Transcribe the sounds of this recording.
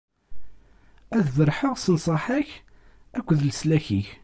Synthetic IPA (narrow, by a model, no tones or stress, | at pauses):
æðvəɾˤħəʁsənsˤəħəç | ækʷːəðləslæçiç